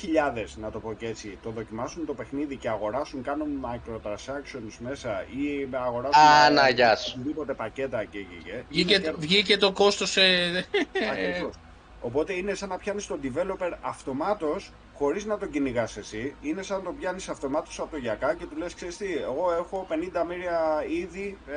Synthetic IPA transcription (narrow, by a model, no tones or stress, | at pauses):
çiʎɐðe̞znɐt̪o̞po̞ce̞t͡s̪it̪o̞ðo̞cimɐsunt̪o̞pe̞xniðice̞ɐɣo̞ɾɐsuŋkɐnunmɐkɾo̞t̪ɾɐnsɐksio̞nzme̞sɐimeɐɣo̞ɾɐsanɐʝɐsiðipo̞t̪e̞pɐce̞t̪ɐceʝḭʝeievʝicet̪o̞ko̞st̪ose | ɐkɾivo̞s | o̞po̞t̪e̞ine̞sɐnɐpçɐnist̪o̞d̪ive̞lo̞pe̞ɾɐft̪o̞mɐt̪o̞s | xo̞ɾiznɐt̪o̞ɟiniɣɐse̞siine̞sɐnt̪o̞pçɐnisɐft̪o̞mɐt̪o̞̥sɐpot̪oʝɐkɐce̞t̪uleskseɾist̪ie̞ɣo̞e̞xo̞pe̞nind̪ɐmiɾiɐiði